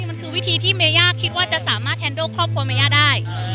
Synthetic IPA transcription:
ma˧nkʰɯː˧wi˦˥t̪ʰiː˧t̪ʰiː˥˩meː˧jaː˥˩kʰːi˦˥t̪̚waː˥˩t͡ɕa˨˩ʔsaː˩˦maː˥˩t̪̚ʰːɛː˧ndoː˥˩kʰːɔː˥˩p̚kʰu˧ɐma˧jaː˥˩daː˥˩j

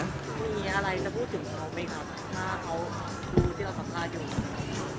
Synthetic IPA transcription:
ma˥˩miː˧ʔa˧ɾa˧jlaː˥˩pʰuː˥˩t̪ʰːɯ˩˦ŋkʰa˦˥wma˧˩jkʰa˦˥p̚t̪ʰaː˥˩kʰa˦˥w | duː˧t̪ʰiː˥˩a˧˩kʰa˧˩k̪ʰaː˥˩juː˧˩a˧˩˧

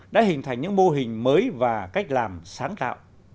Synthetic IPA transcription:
ɗa̰ː˧˥hḭ˧˨nt̪ʰa˨˩jŋɲɨ̰˧˥ŋmo˧ɦï˨˩ŋ̟məː˨˦jvaː˨˩ka˦˥jk̟̚laː˨˩msaː˨˦ŋt̪a̰ː˧˨wʔ

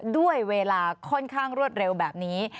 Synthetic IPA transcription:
du˥˩əjweː˧laː˧kʰɔ˥˩nkʰaː˥˩ŋɾu˥˩ət̪̚ɾe˧wbɛː˨˩p̚niː˦˥

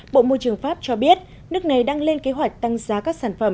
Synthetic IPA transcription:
ɓo̰˧˨mo˧jt͡ɕɨ˧˩əŋfaː˦˥p̚t͡ɕɔ˧ɓi˦˥ət̚ | nɨ˦˥ək̚na˨˩jɗaː˧ŋle˧nke˨˦ɦwa˨˩jk̚t̪a˧ŋzaː˨˦kaː˦˥k̚saː˧˩nfə˧˩m

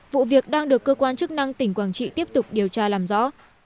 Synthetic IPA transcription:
vṵ˧˨vi˨˩ək̚ɗaː˧ŋɗɨ˨˩əkːəː˧kwaː˧nt͡ɕɨ˦˥k̚na˧ŋt̪ï˧˩ŋ̟kwaː˧˩nt͡ɕḭ˧˨t̪i˦˥əpt̚t̪ʊ˨˩k͡p̚ɗi˨˩əwt͡ɕaː˧laː˨˩mzɔ̰˧˥

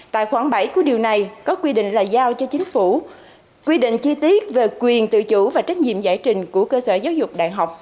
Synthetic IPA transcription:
t̪a̰ː˧˨jxwaː˧˩ŋɓə˧˩jku˧˩əɗi˨˩əwna˨˩jkɔ˨˦kwi˧ɗḭ˧˨ŋ̟laː˨˩jzaː˧wt͡ɕɔ˧t͡ɕï˨˦ŋ̟fu˧˩ | kwi˧ɗḭ̈˧˨ŋ̟t͡ɕi˧t̪i˦˥ət̚ve˨˩kwi˨˩ənt̪ɨ̰˧˨t͡ɕu˧˥vaː˨˩t͡ɕa˦˥k̟̚ɲḭ˧˨əmzaː˧˩jt͡ɕï˨˩ŋ̟ku˧˩əkəː˧səː˧˩zaː˨˦wzʊ˨˩k͡p̚ɗa̰ː˧˨jɦa˨˩wk͡p̚

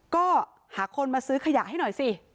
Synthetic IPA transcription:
kɔː˥˩ | haː˨˩˦kʰo˧nmaː˧sɯː˦˥kʰa˧ja˨˩ʔɦa˥˩jnɔ˨˩jsi˧

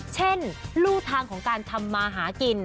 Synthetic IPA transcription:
t͡ɕʰe˥˩nluː˥˩t̪ʰaː˧ŋkʰɔː˩˦ŋkaː˧nt̪ʰa˧mːaː˧ɦaː˩˦ki˧n

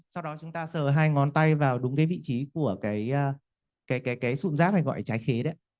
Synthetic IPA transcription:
sa˧wɗɔ˨˦t͡ɕʊ˨˦ŋ͡mt̪aː˧səː˨˩ɦaː˧jŋɔ˨˦nt̪a˧jvaː˨˩wɗʊ˨˦ŋ͡mkaː˨˦jvḭ˧˨t͡ɕi˨˦ku˧˩əkaː˨˦jʔəː˧ | kaː˨˦jkaː˨˦jkaː˨˦jsṵ˧˨nzaː˦˥p̚ha˧jŋɣɔ̰˧˨jt͡ɕaː˨˦jxe˨˦ɗə˨˦

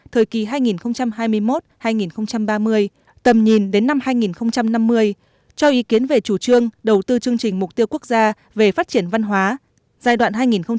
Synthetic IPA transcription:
t̪ʰəː˨˩jki˨˩ɦaː˧jŋi˨˩nxə˧wŋ͡mt͡ɕa˧mɦaː˧jmɨ˧əjmo˦˥t̚haː˧jŋi˨˩nxə˧wŋ͡mt͡ɕa˧mɓaː˧mɨ˧əj | t̪ə˨˩mɲi˨˩nɗe˨˦nːa˧mhaː˧jŋi˨˩nxə˧wŋ͡mt͡ɕa˧mna˧mːɨ˧əj | t͡ɕɔ˧ʔi˨˦ki˨˦ənve˨˩t͡ɕu˧˩t͡ɕɨ˧əŋɗə˨˩wt̪ɨ˧t͡ɕɨ˧əŋt͡ɕï˨˩ŋ̟mʊ˨˩k͡p̚t̪i˧əwku˦˥ək̚zaː˧ | ve˨˩faː˦˥t̚t͡ɕi˧˩ənva˧nɦwaː˨˦ | zaː˧˩jɗwa̰ː˧˨nɦaː˧jŋi˨˩nxə˧wŋ͡m

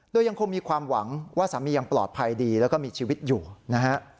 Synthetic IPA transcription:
doː˧ja˧ŋkʰo˧ŋmiː˧kʰwaː˧mwa˩˦ŋwaː˥˩sa˩˦miː˧ja˧ŋplɔ̰ː˨˩t̪̚pʰa˧jdiː˧lɛː˦˥wkɔ˥˩miː˧t͡ɕʰiː˧wi˦˥t̪̚juː˨˩na˦˥kʰa˦˥ʔ

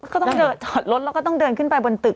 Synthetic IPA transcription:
kɔ˥˩ɔ˩˥˩dɤː˧ntʰɔ˨˩t̪̚lo˦˥t̪̚lkɔ˥˩t̪ɔ˥˩ŋdɤː˧nkʰɯ˥˩npa˧jbo˧nt̪ɯ˨˩k̚

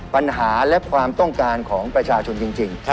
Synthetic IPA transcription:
pa˧nɦaː˩˦lɛ˦˥kʰwaː˧mt̪ɔ˥˩ŋkaː˧nkʰɔː˩˦ŋpɾa˧t͡ɕʰaː˧t͡ɕʰo˧nt͡ɕi˧ŋt͡ɕi˧ŋ

